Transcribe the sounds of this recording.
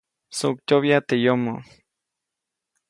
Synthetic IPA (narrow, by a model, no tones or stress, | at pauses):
sukt͡ʃ̪oβjat̪ejomo